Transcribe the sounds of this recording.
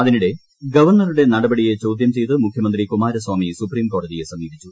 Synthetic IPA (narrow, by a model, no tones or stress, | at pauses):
ɐðinuɽe̞ | ɡɐʋɐrɳɐruɽe̞nɐɽɐbɐɽije̞t͡ɕowd̪jɐmt͡ɕe̞jt̪ɨmukʰjɐmɐnd̪rikumaːɾɐswaːmisupriːmko̞ːɽɐðije̞sɐmiːbit͡ɕːu